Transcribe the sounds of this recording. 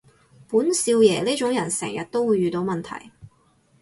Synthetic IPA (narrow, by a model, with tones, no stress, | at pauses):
puː˨˥nsiː˧wjɛː˨˩liː˥t͡ʃʊ˨˥ŋjɐ˨˩nsɛ̰ː˨˩ŋjɐ˨t̚t̪o˥wuː˨˧jɥyː˨t̪o˨˧wmɐ˨nt̪ʰɐ̰˨˩j